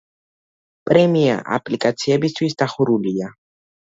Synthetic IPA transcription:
pʼɾɛmia̰ʔa̰pʼlikʼat̪sʰiɛbist̪ʰwisd̪aχuɾulia

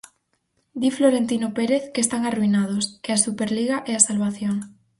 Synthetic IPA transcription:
d̪ifloɾent̪inopeɾeθkest̪aŋaruinað̞oskeasupeɾliɣaʔeasalβaθjoŋ

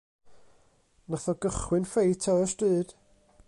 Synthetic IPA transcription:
naθɔɡəχwɨnfejtʰəəstɨːd̥

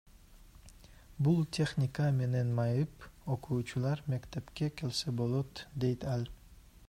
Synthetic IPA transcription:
bulˠt̪ʲʰe̞χnʲikame̞nenmɑjɯpoqʰuːt͡ʃʰulˠɑɾme̞kʲt̪epkʲekʲʰelsebolˠot̪d̪e̞jt̪ʰælʲ

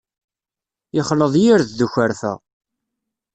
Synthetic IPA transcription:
jɪχləðˤjiɾððuçəɾfæ̰

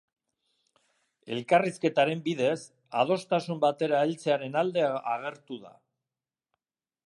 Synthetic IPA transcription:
e̞̰lkariske̞t̪aɾe̞mbiðe̞s | að̞o̞st̪asumbat̪e̞ɾaelt͡se̞aɾe̞nald̪e̞a̰ɣe̞ɾt̪uða̰

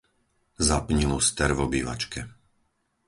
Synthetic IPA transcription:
zapɲilust̪ɛɾvɔbiːʋa̰t͡ʃkɛ

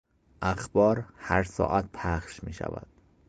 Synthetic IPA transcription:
ʔæxbɒːɾhæɾsɒ̰ːʔæt̪̚pʰæχʃmiːʃæ̰væ̰d̪̥

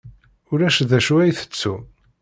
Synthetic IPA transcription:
ʊɾæʃðæʃwæjθə̥t͡sːu

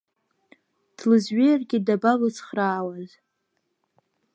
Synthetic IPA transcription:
d̥lɨzɥejrɡʲɪdabalɨt͡sʰχraːwaz

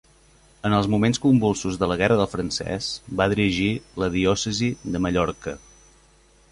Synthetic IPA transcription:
ənəlˠzmumenskumbulˠsuzðələɣɛrəðəlˠfɾənsɛ̰sbaðiɾiʒiləðiɔsəziðəməʎɔɾkə

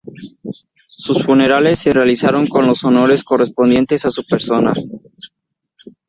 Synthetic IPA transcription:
susfune̞ɾale̞sːerealisaɾo̞ŋko̞nlo̞so̞no̞ɾe̞sko̞re̞spo̞nd̪je̞nt̪e̞sasupe̞ɾso̞na

